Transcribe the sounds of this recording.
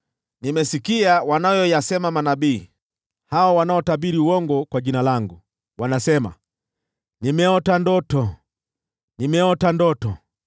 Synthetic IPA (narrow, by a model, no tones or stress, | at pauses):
nimɛsikiawanajɔjasɛmamanabiː | hawɔwanaɔtaɓiɾiuwɔŋɡɔkwaʄinalaŋɡu | wanasɛma̰ | nimɛɔtandɔtɔ | nimɛɔtandɔtɔ